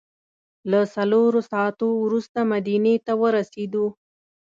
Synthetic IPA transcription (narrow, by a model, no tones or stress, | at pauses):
lasaloɾosɑat̪owɾust̪amad̪inet̪awəɾased̪u